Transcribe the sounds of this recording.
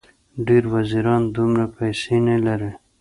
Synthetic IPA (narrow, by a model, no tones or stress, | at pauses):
ɖeɾwaziɾɑnd̪umɾapajsenalaɾe